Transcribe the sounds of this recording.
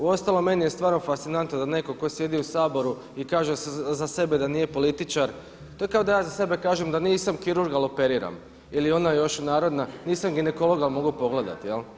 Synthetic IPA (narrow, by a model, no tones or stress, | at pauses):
uo̞st̪alome̞nije̞st̪ʋaːɾno̞fast̪sinant̪nod̪ane̞ko̞ko̞sje̞d̪iusaːbo̞ɾu | ikaːʒezase̞be̞d̪aniːje̞po̞lit̪it͡ʃaɾ | t̪o̞ekao̞d̪ajaːzase̞be̞kaːʒemd̪aniːsamkiɾuɾɡalˠope̞ɾiːɾa̰m | ilio̞naejo̞ʃunaːɾo̞d̪naniːsamɡine̞ko̞lo̞ɡalˠmo̞ɡupo̞ɡle̞d̪a̰t̪ijel